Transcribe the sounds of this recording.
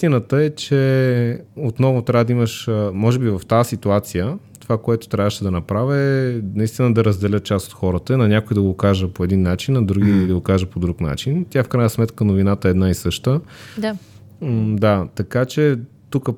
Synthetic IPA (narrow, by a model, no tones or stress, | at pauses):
t̪inət̪əɛt͡ʃɛ | ot̪nɔvʊt̪ɾʲavəd̪ɐiməʃmɔʒɛbivɐft̪asit̪uat̪sijət̪ovakoɛt̪o̥t̪ɾʲavəʃɛd̪ɐnɐpɾavʲəɛnɐist̪inəd̪ɐɾəzd̪ɛlʲət̪̚t͡ʃast̪o̥t̪xɔɾət̪əinɐnʲakoid̪ɐɡokaʒəpoɛd̪inːat͡ʃinɐd̪ɾuɡiid̪ɐɡokaʒəpod̪ɾukna̰t͡ʃint̪ʲjafkɾajnəsmɛt̪kənovinat̪əɛːd̪naisɤʃt̪ə | d̪at̪ɐkat͡ʃɛ | t̪ukə